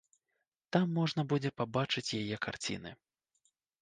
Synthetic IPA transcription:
t̪amːɔʐnɐbud͡zʲɛpabat͡ʂɨt͡sʲjajɛkart͡sʲḭnɨ̰

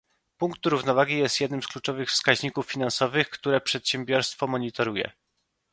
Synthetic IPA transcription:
puŋkt̪ɾuvnɔvaɡʲijɛst̪jɛd̪nɘmsklut͡ʂɔvɘxfskaʑɲikufːʲinansɔvɘxkt̪uɾɛpʂɛt̪ɕɛmbʲjɔɾst̪fɔmɔɲit̪ɔɾujɛ̰

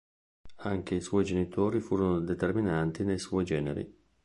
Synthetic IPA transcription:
aŋk̟eiswɔːjd͡ʒenit̪ʰoːɾifuːɾonod̪et̪erminant̪inejswɔjd͡ʒɛːnḛɾḭ

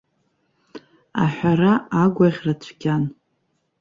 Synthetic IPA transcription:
a̰ħʷᶣaraːɡʷaʁʲrat͡ɕʷʰɡʲan

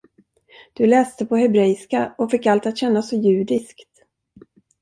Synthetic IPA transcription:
d̪̥ɵlɛːst̪əpʰɔɦɛbɾɛskaɔfɪkːalt̪at̪ɕɛnːasɔjʉ̟ːd̪ɪskt̪

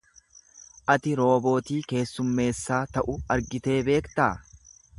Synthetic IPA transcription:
ʔɐt̪ɪɾo̞ːbo̞ːt̪iːke̞ːsːʊmːe̞ːsːaːt̪ɐʔʊɐɾɡɪt̪e̞ːbe̞ːkt̪aː

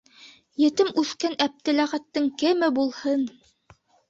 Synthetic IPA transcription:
jɘ̆t̪ɘmʉθkænæp̚t̪ɘ̆læʁæt̪ːɘŋkɘmɘbulˠhɤn

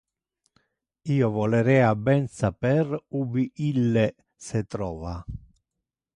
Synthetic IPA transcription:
iːovɔleɾɛːabːɛnsapɛɾubiʔilːe | sɛt̪ɾɔːva

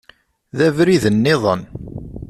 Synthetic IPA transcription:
ðævɾiðənːɪðˤən

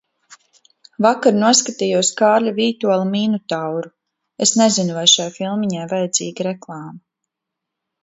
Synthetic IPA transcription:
vakaɾnuɔskat̪ijuɔskaːɾʎaviɾt̪ualˠmiːnut̪awɾu | esnezinuvajʃajfilˠmiɲajvajad̪ziːɡiɾɛklˠɑːma

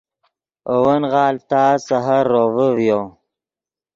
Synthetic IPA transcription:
owənɣɑːlt̪asaɦaɾːovəwjo

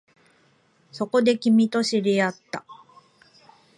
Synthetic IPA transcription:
so̞ko̞d̪e̞kʲimʲit̪o̞ɕiɾiat̪ːa

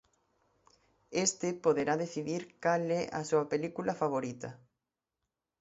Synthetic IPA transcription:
est̪epoðeɾaðeθiðiɾkalɛʔa̰suɐpelikulafaβoɾit̪ɐ

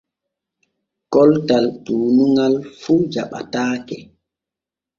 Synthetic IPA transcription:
kɔltaltuːnuŋalfud͡ʒaɓa̰taːkɛ

